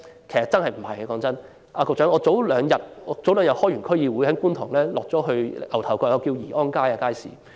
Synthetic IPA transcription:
kʰe˨˩jsɐ˨tt͡sɐ˥nhɐ˨jm̩˨˩hɐ̰˨jkɔː˨˥ŋt͡sɐ˥n | ʔaː˧kɔː˧k̚t͡ʃœː˨˥ŋɔː˨˧t͡so˨˥wlœː˨˧ŋjɐ˨t̚ɔː˨˧˥t͡so˨˥wlœː˨˧ŋjɐ˨t̚hɔː˥jy˨˩nkʰɵ˥ɥjiː˨˧wu˨˧hɐ˨˥kuː˥nt̪ʰʊ˨˩ŋlɛː˥lɔː˨k̚t͡sɔː˨˥ɦɵ˧ɥɐ˨˩wt̪ʰɐ˨˩wkɔː˧kjɐ˧wkiː˧wjiː˨˩ʔɔː˥nkaː˥jaː˧kaː˥jsḭː˨

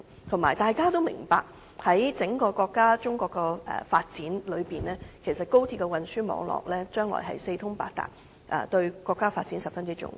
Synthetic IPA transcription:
t̪ʰʊ˨˩maː˨˩jt̪aː˨jkaː˥t̪o˥wmɪ̰˨˩ŋpaː˨k̚ | hɐ˨˥jt͡sɪ˨˥ŋkɔː˧kɔː˧kːaː˥t͡sʊ˥ŋkɔː˧kːɛ˧ɛ̰˨˩faː˧t̚t͡siː˨˥nlɵ˨˧ɥpiː˨nɛː˥kʰe˨˩jsɐ˨t̚ko˥wt̪ʰiː˧kːɛ˧wɐ˨nsyː˥mɔ̰ː˨˧ŋlɔ̰ː˨˩k̚lɛː˥t͡ʃœː˥ŋlɔ̰ː˨˩jɦɐ̰˨jse˧jt̪ʰʊ˥ŋpaː˧k̚t̪a̰ː˨˩k̚ | ʔɛ̰˨˧t̪ɵ˧ɥkʷɔː˧kːaː˥faː˧t̚t͡si˨˥nsɐ˨p̚fɐ˥nt͡si˥t͡ʃʊ̰˥ŋ

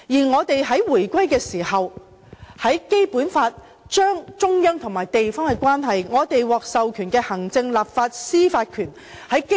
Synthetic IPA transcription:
jiː˨˩ŋɔː˨˧t̪e˨jɦɐ˨˥jwuː˨˩jkʷɐ˥jkɛː˧siː˨˩hɐ˨w | hɐ˨˥jke˥jpuː˨˥nfaː˧t̚ | t͡ʃœː˥ŋt͡ʃʊ˥ŋjœ˥ŋt̪ʰʊ˨˩ŋmaː˨˩jt̪e˨jfɔː˥ŋkɛ˧kʷwaː˥nɦɐ˨jŋɔː˨˧t̪e˨jwɔː˨k̚sɐ˨wkʰyː˨˩nkɛː˧hɐ˨˩ŋt͡sɪ˧ŋlaː˨p̚faː˧t̚siː˥faː˧t̚kʰyː˨˩n | hɐ˨˥jk

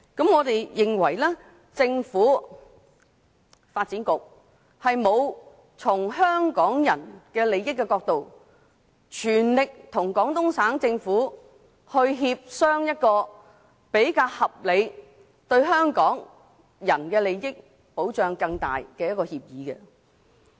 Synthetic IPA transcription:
kɐ˨˥mŋɔː˨˧t̪e˨jjɪ˨ŋwɐ˨˩jlɛː˥ | t͡sɪ˧ŋfuː˨˥ | faː˧t̚t͡siː˨˥nkʊ˨k̚ | hɐ˨jmo˨˧w | t͡sʰʊ˨˩ŋɦœː˥ŋkɔː˨˥ŋjɐ̰˨˩nkɛː˧le˨˧jɪ˥k̬ːɛː˧kɔː˧k̚t̪o˨w | t͡ʃʰyː˨˩nlɪ˨k̚t̪ʰʊ˨˩ŋkɔː˨˥ŋt̪ʊ˥ŋsaː˨˥ŋt͡sɪ˧ŋfuː˨˥ | hɵ˧ɥɦiː˧p̚sœː˥ŋjɐ˥t̚kɔː˧ | pe˨˥jkaː˧whɐ˨p̚le˨˧j | t̪ɵ˧ɥɦœː˥ŋkɔː˨˥ŋ | jɐ˨˩nkɛː˧le˨jjɪ˥k̚ | po˨˥wt͡ʃœː˨ŋkɐ˧ŋt̪a̰ː˨˩jkɛː˧jɐ˥t̚kɔː˧hiː˧p̚jiː˨˥kɛ̰˧

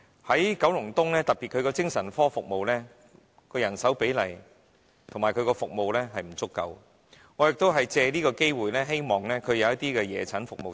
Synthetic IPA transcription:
hɐ˨˥jkɐ˨˥wlʊ˨˩ŋt̪ʊ˥ŋlɛː˥t̪ɐ˨k̚piː˨kʰɵ˨˧ɥkɔː˧t͡sɪ˥ŋsɐ˨˩nfɔː˥fʊ˨k̚mo˨wlɛː˥ | kɔː˧jɐ˨˩nsɐ˨˥wpe˨˥jlɐ˨˩j | t̪ʰʊ˨˩maː˨˩kʰɵ˨˧ɥkɔː˧fʊ˨k̚mo˨˧wlɛː˥ɦɐ˨jm̩˨˩t͡sʊ˥kːɐ̰˧w | ŋɔː˨˧jɪ˨k̚t̪o˥wɦɐ˨jt͡sɛː˧liː˥kɔː˧ke˥jwuː˨jlɛː˥ɦe˥jmɔː˨˩ŋlɛː˥kʰɵ˨˧ɥjɐ˨˧wjɐ˥t̪̚iː˥kɛː˧jɛː˨˩t͡sʰɐ˨˥nfʊ˨k̚mo˨

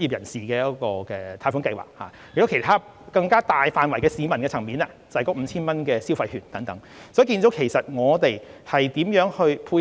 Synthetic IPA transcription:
ji˨p̚jɐ˨˩nsiː˨kɛː˧jɐ˥kɔː˧kɛː˧t̪ʰaː˧˩fu˨˥ŋkɐ˧jwa̰ː˨k̚ha̰ː˨˩jkto˥kʰe˨˩jt̪ʰaː˥ | kɐ˧ŋkaː˥t̪aː˨jfaː˨˧nwɐ˨˩jkɛː˧siː˨˧˥mɐ˨˩nkɛː˧t͡sʰɐ˨˩ŋmiː˨na˧t͡sɐ˨hjkɔː˥m̩˨˧t͡sʰiː˥nmɐ˥nkɛː˧si˥wfɐ˧jhyː˨˩nt̪ɐ˨˥ŋt̪ɐ˨˥ŋ | sɔ˨˥jki˧nt̪o˨˥wkʰe˨˩jsɐ˨t̚ŋɔː˨˧t̪e˨jhɐ˨jt̪iː˨˥mjœː˨˥ŋhɵ˧ɥpʰuː˧j

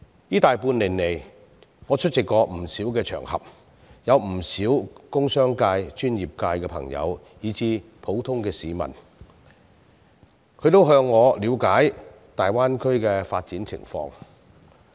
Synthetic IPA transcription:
jiː˥t̪aː˨jpuː˧nlɪ˨˩ŋne˨˩j | ŋɔː˨˧t͡ʃʰɵ˥t̚t͡sɪ˨kːɔː˧m̩˨˩siː˨˥wkɛː˧t͡ʃʰœ̰ː˨˩ŋhɐ̰˨p̚ | jɐ˨˧wm̩˨˩siː˨˥wkʊ˥ŋsœː˥ŋkaː˧jt͡ʃyː˥njiː˨˩p̚kaː˧jkɛː˧pʰɐ̰˨˩ŋjɐ̰˨˧w | jiː˨˧t͡siː˨˧ | pʰo˨˥wt̪ʰʊ˥ŋkɛː˧siː˨˧mɐ̰˨˩n | kʰɵ˨˧ɥt̪o˥wɦœː˧ŋːɔː˨˧liː˨˧wkaː˨˥j | t̪aː˨jwaː˥nkʰɵ˥ɥkɛː˧faː˧t̚t͡siː˨˥nt͡sʰɪ̰˨˩ŋfɔ̰ː˧ŋ

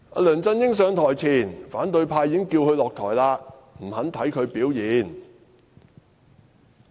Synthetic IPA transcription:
a̰ː˧lœː˨˩nt͡sɐ˧njɪ˥ŋs̬œː˨˧ŋt̪ʰɔː˨˩jt͡sʰiː˨˩nfaː˨˥nt̪ɵ˧ɥpʰaː˧jiː˨˦˥ŋkiː˧whɵ˧ɥlɔː˨k̚t̪ʰɔː˨˩jlaː˧m̩˨˩hɐ˨˥nt̪ʰɐ˨˥jkʰɵ˨˧ɥpiː˨˥wjiː˨˧˥n

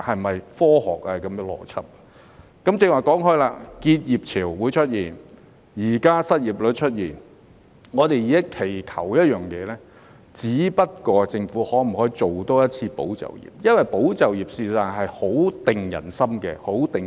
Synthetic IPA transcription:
hɐ˨jmɐ˨jfɔː˥hɔ̰ː˨k̚aː˧kɐ˨˥m˧lɔ̰ː˨˩t͡sʰɐ˥p̚ | kɐ˨˥mt͡sɪ˧ŋwaː˨˩jkɔː˨˥ŋhɵ˥laː˧kiː˧t̚jiː˨p̚t͡sʰiː˨˩wwuː˨˧jt͡ʃʰɵ˥t̚jiː˨˩n | jiː˨˩kaː˥sɐ˥t̚jiː˨˩p̚lɵ˨˧t̚t͡ʃʰɵ˥t̚jiː˨˩n | ŋɔː˨˧t̪e˨ji˨˧ɐ˥kʰe˨˩jkʰɐ˨˩wjɐ˥t̚jœː˨ŋjɛː˨˧lɛː˥ | t͡siː˨˥pɐ˥t̚kɔː˧t͡sɪ˧ŋfuː˨˥hɔː˨˥m̩˨˩hɔː˨˥i˧t͡so˨wt̪oː˥jɐ˥t̚t͡sʰiː˧po̰˨˥wt͡sɐ̰˨wjḭː˨p̚jɐ˥nwɐ˨jpo˨˥wt͡sɐ˨wjiː˨p̚siː˨˧saː˨˩ŋɦɐ˨jho˨˥wt̪ɪ˨ŋjɐ̰˨˩nsɐ˥mkɛ̰˧ho˨˥wt̪ɪ˨

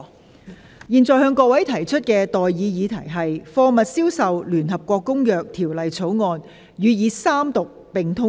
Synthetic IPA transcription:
jiː˨nt͡sɔː˨jhœː˧ŋkɔː˧k̚wɐ˨˥jt̪ʰɐ˨˩jt͡ʃʰɵ˥t̚kɛː˧t̪ɔː˨jiː˨˧jiː˨˧t̪ʰɐ˨˩jɦɐ˨jfɔː˧mɐ˨t̚siː˥wsɐ˨wlyː˨˩nɦɐ˨p̚kʷɔː˧kːʊ˥ŋjœː˨k̚t̪ʰiː˨˩wlɐ˨jt͡sʰo˨˥wŋɔː˧n | jyː˨˧jiː˨˧saː˥mt̪ʊ˨k̚ | pɪ˨˩ŋt̪ʰʊ˥

